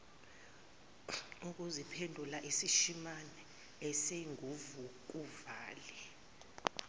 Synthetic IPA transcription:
uk̬ʼuzipʰɛndʱulaʔisiʃimanɛ | ɛseŋʱuvuk̬uvaːlɛ

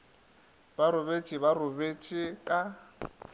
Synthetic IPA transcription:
baɾʊβet͡ʃʼɪβarʊbet͡ʃʼɪkʼa

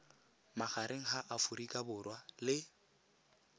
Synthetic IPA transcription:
maχaɾeŋ̩ɦaʔafuɾikʼabʊrwalɪ

